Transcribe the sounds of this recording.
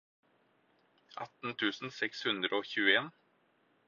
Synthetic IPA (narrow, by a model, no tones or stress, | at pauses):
ʔɑ̰t̪n̩t̪ʰʉːsn̩sɛkshʉnd̪ɾəoːçʉːəeːn